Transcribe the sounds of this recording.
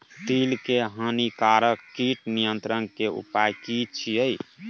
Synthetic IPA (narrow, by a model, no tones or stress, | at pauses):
t̪ilkeɦanikaɾəkːiʈnijənt̪ɾənkeṵpajkit͡ʃʰiəj